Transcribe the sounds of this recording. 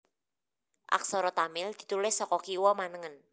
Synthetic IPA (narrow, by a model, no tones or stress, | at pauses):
ʔa̰ksɔɾɔt̪amɪld̪̥i̤t̪ulɪsːɔkɔkiwɔmanəŋən